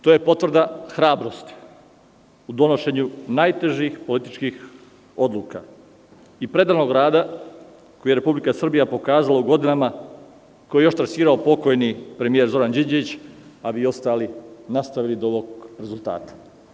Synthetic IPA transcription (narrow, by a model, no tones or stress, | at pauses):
t̪o̞ːjepo̞t̪ʋr̩d̪axɾaːbɾo̞st̪i̥ | ud̪o̞no̞ʃe̞ɲunajt̪e̞ʒixpo̞lit̪i̥t͡ʃkix | o̞d̪luːka̰ | ipɾe̞d̪aːɾno̞ɡɾaːd̪a | kojeɾe̞publikasr̩bijapo̞kaːzalauɡo̞d̪inama | kojejoʃt̪ɾasiːɾaopo̞ko̞jnipɾemijeɾzo̞ɾand͡ʒid͡ʑeʋit͡ɕabiio̞st̪aːlinast̪aʋilid̪ooʋo̞ɡɾezulˠt̪a̰ːt̪ḁ